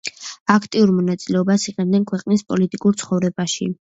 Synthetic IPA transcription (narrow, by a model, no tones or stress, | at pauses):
akʰt̪ʼiuɾmɔnat̪sʼilɛɔbasiqʼɛnd̪ɛnkʰwɛqʼnispʼɔlit̪ʼikʼuɾt̪sʰχɔvɾɛbaʃḭ